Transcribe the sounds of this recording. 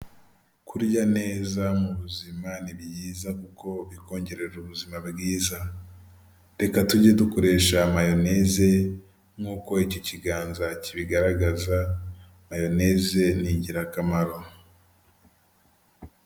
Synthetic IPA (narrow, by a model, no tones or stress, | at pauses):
kuɾɟane̞ːzamuβuzimaniβjiːzakuko̞βiko̞ːɲɟe̞ɾe̞ɾuβuzimabɡiːza | ɾe̞katuɟedukoɾe̞ːʃamajo̞ne̞ze̞ | ŋuːko̞icociɡaːnzaciβiɡaɾaɡaza | majo̞ne̞ze̞niɟiɾakamaɾo̞